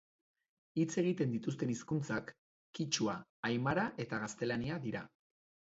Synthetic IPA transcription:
it͡se̞ɣ̞it̪e̞nd̪it̪us̬t̪e̞niskunt͡sakː | it͡ʃuaːjmaɾaʔe̞t̪aɣast̪e̞laniaðiɾa

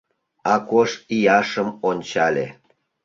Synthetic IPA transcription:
ɑkoʃijɑʃəmonʲt͡ɕɑlʲḛ

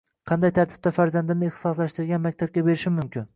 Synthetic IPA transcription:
qʰɑnd̪ajt̪ʰaɾt̪ʰɪ̥b̚t̪afaɾzand̪ɪmnɪɪχt̪ɪsɒslaʃt̪ɪɾɡʲanmak̚ʲt̪ʰab̚kʲabe̞ɾɪʃɪmʊmkʲɪn

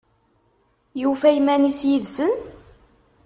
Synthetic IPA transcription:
jufæjmænisjiðsən

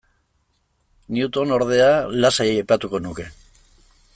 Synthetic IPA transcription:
niut̪o̞no̞ɾð̞e̞alasajeajpat̪uko̞nuke̞

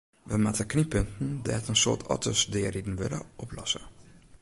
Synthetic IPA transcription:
ʋəmatəknipøntn̩dɛɛtənsoːtʰɔ̰tʰəsdɪəridn̩ʋɪ̰lə̰ɔplɔ̰sə

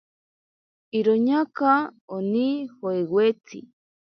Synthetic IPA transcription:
iɾoɲakaonihoewwet͡sḭ

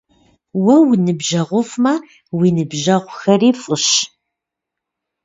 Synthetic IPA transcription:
wɐwnɨbʒɐʁʷʊfmɐ | winɨbʒɐʁʷʊxɐriːfəɕ

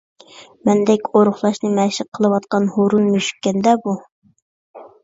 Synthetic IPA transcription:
mɛnd̪ɛkʲoɾʊχlˠɑʃnɨmæʃɪqʰːəlˠɨwɑt̪̚qɑnhoɾunmyʃy̥kʲːɛnd̪ɛbu

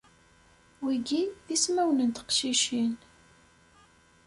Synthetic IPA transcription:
wiɡiðismæwnənt̪ə̥qʃiʃin

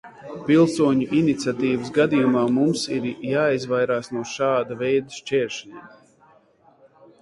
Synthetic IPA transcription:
pilˠsuɔɲuʔinit̪sʲat̪iːvəsɡad̪ijumaːmumsiɾjaːizvajɾaːsnuɔʃaːd̪avɛjd̪əʃt͡ʃɛːɾʃɲʲɛ̰

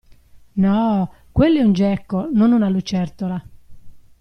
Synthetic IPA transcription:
nɔː | kwelːɛund͡ʒɛkːononunalut͡ʃɛɾt̪ola

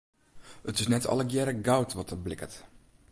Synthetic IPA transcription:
ətɪsnɛtʰɔ̰ləkjɛɾəɡawtʰʋɔtərblɪkət

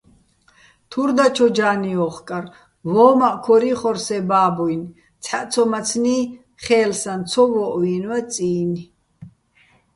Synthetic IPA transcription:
t̪ʰuɾd̪at͡ʃʰɔd͡ʒaːniɔχkʼaɾ | vɔːmaʔkʰɔɾiχɔɾsɛbaːbɔjn | t͡sʰħaʔ̪t͡sʰɔmat͡sʰniː | χɛːlsant͡s̪ʰɔvɔʔwiːnwat͡sʼiːni

